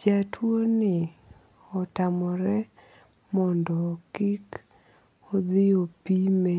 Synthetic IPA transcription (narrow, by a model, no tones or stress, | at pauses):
d͡ʒatʰwonɪ | ɔtamɔɾɛ | mɔndɔkik | ɔd̪ɪopime